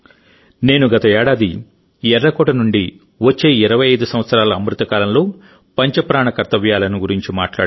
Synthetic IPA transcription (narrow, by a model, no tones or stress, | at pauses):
ne̞ːnuɡɐt̪ɐɛːɽaːd̪i | ɛɾːɐkɔːʈɐnuɳɖi | ʋɐt͡ʃːe̞ːiɾɐʋɐjɐjd̪usɐ̃mʋɐt̪sɐɾaːlɐːmɾut̪ɐkaːlɐmlo̞ː | pɐɲt͡ʃɐpɾaːɳɐkɐɾt̪ɐʋjaːlɐnuɡuɾiɲt͡ʃima̰ːʈla̰ːɽ